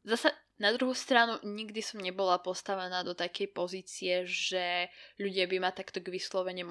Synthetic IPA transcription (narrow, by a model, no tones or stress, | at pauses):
zasa | nad̪ɾuɦust̪ɾanuɲiɡd̪isɔmɲɛbɔlapɔst̪aʋɛnaːd̪ɔt̪akɛjpɔziːt͡siɛʒɛʎuɟɪabimat̪akt̪ɔɡʋislɔʋɛɲim